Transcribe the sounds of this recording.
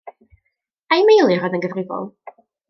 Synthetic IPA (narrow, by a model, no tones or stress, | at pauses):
ajmejlˠɨrɔdənɡəðrɪvɔ̰lˠ